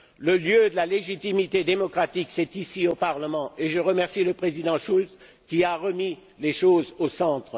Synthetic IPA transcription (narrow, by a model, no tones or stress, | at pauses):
ləljød̪əlaleʒit̪imit̪ed̪emɔkχat̪iksɛt̪isiopaʁləmɑ̃ʔeʒəʁəmɛʁsiləpχezid̪ɑ̃ʃuls | kʲiaʁəmi | leʃozosɑ̃t̪χ